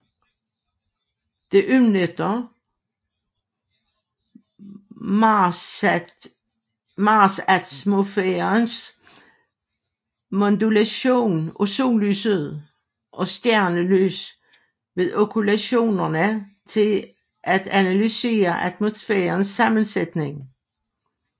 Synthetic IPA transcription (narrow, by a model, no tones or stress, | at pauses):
d̥e̝ʔymnəd̥ɐ | mɑsæmofeɐns | mond̥ulæɕo̝̰ːnoso̰ːly̰səðˠ | ʔɒ̽sd̥jæɐ̰nəly̰ːs | ʋe̝ðˠokʰulæɕo̝̰ːnɐnət͡sʰe̝l | ʔæd̥ænælyse̝̰ːɐʔæd̥mo̝sfḛːɐnsːɑ̈mənsed̥ne̝ŋ